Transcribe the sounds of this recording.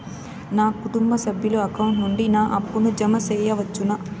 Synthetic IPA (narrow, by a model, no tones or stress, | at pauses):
naːkuʈumbɐsɐbʱjuluɐkɐwuɳʈnuɳɖinaːʔɐpːunud͡ʒɐmɐsɛːjɐʋɐt͡ʃːunɐ